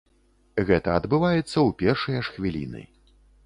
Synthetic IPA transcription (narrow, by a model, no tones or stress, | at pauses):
ɣɛt̪ɐɐd̪bɨvajɛt̪sːɐwpʲɛrʂɐjɐʂxvʲilʲḭnɨ̰